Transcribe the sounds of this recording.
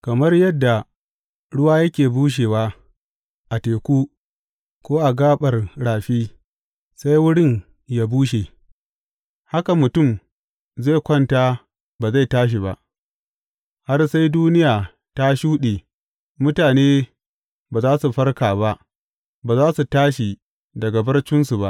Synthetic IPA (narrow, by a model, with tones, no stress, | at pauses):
kɐ˨mɐ˦rjɐ˦dːa˨ | ɽʊ˦waː˦jɐ˦kʲeː˨buː˦ʃ̬eː˨waː˦ | ʔa˨teː˨kʷuː˦ | kʷoː˦ʔa˨ɡaː˦ɓɐ˨rɽaː˨ɸiː˦ | sa˦jwʊ˦ɽɪ˦ɲ | jaː˦buː˦ʃe˨ | ha˦ka˨mʊ˨tʊ˦˨m | zeː˦˨kʷɐ˦˨nta˦ | baː˨za˦˨taː˦ʃ̬i˨ba˨ʔ | ha˦rsa˦jduː˦nɪ˦jaː˨ | ta˦ʃuː˦ɗeː˨ | mʊ˦taː˨neː˦ | baː˨zaː˦su˨ɸɐ˦rkaː˨ba˦ʔ | baː˨zaː˦su˨taː˦ʃi˨ | dɐ˨ɡa˨bɐ˦rt͡ʃɪ˦nsu˨ba˦ʔ